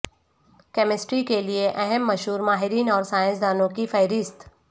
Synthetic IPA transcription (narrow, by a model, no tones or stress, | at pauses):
kɛːmɪsʈɾikelieʔɛɦɛmːɐʃɦuːɾmaːɦɪɾiːnɔːɾsaːjɪ̃nsd̪aːnõkifɐɪɾɪst̪